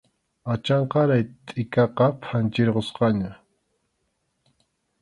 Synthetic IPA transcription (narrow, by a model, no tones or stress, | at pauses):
at͡ʃɑɴqɑɾajt̪ʼɪkɑqɑpʰant͡ʃɪɾɢosqɑɲa